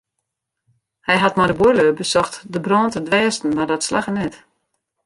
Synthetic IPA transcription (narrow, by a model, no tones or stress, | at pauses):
hɛjɦatmadəbuløːbəsɔxtdəbrɔːntədʋɛːstn̩ʋadɔtsla̰xənɛt